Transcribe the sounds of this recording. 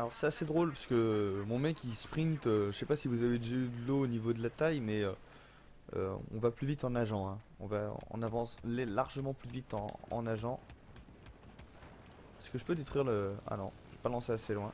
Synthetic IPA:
alɔʁsɛt̪ased̪ʁolpasə̥kəmɔ̃mɛkʲːispχĩnt̪øʒəʃɛpasivuzaved̪əʒayd̪əloːnivod̪əlat̪ajmɛø | ø̰ɔ̰̃vaplyvit̪ɑ̃naʒɑ̃ɛ̃ | ɔ̰̃va̰ɔ̰̃navɑ̃slelaʁʒəmɑ̃plyvit̪ɑ̰̃ɑ̰̃naʒɑ̃ | psə̥kəʒəpød̪et̪χwɥiʁləa̰nɔ̰̃ʒepalɑ̃seaselwɛ̃

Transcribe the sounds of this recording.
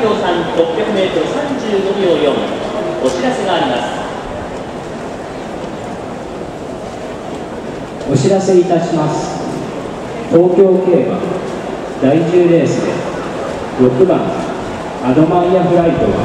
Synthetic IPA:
oːsãŋɾo̞pʲjakɯ̟me̞ːt̪oɾɯsãɲ̟d͡ʑɨːɡo̞ɡʲoːjõmo̞ɕiɾase̞ɡaːɾʲimasɨ̥ | o̞ɕiɾase̞it̪aɕimasɨ̥ | t̪o̞ːkʲo̞ːke̞ːba̰ | d̪̥aiʑɨːɾe̞ːsɨd̪e̞̰ | ɾo̞kɯ̟bã̰ŋ | ad̪o̞maɾiaɸɯ̟ɾait̪o̞̰ɡa̰

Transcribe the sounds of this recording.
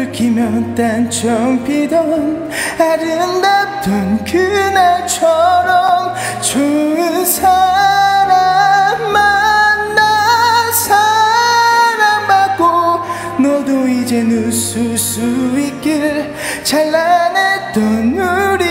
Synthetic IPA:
kimjʌt͈ant͡ɕʌŋpidʌn | aɾɯndat̪͈ʌnkʰɯnat͡ɕʰʌɾʌm | t͡ɕoɯnsʰaɾanmanːasʰa | ɾanbat̚k͈o | nʌdoid͡ʑenususuik͈iɾ | t͡ɕaɭːanet͈ːʌnjuɾi

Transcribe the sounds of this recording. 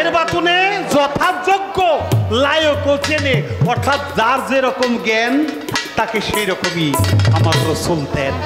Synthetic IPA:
eɾbat̪uned͡zɔt̪ʰad͡zoɡːolajokowt͡ʃʰeneɔɾt̪ʰat̪d͡zaɾd͡zeɾɔkomɡɛn | t̪akeʃejɾɔkomiamakɾosomt̪ɛn

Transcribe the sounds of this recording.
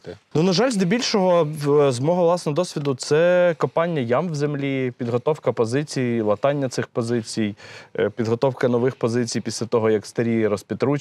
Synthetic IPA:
nunɐʒɑlʲzd̪ɔbʲilʲʃɔɦɔzmɔɦɔʋlˠɑsnɔɔd̪ɔsʲʋʲid̪ʊt̪sɛkɔmpɑnʲːjɐjɑmwzemlʲipʲid̪ɦɔt̪ɔwkɐpɔzɪt͡sʲijilˠɐt̪ɑnʲːɐt̪sɪxpɔzɪt͡sʲijpʲid̪ɦɔt̪ɔwkɐnɔʋɪxpɔzɪt͡sʲijpʲisʲlʲɐt̪ɔɦɔjɐkst̪ɐɾʲijɾɔspʲit̪ɾu

